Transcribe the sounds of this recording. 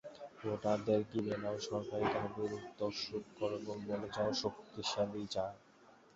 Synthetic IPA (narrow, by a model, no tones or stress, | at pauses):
oʈad̪eɾkilenaoʃɔɾkaɾiɡʱabeɾud̪ːoʃokɔɾebolboled͡ʑaoʃokt̪iʃalit͡ɕae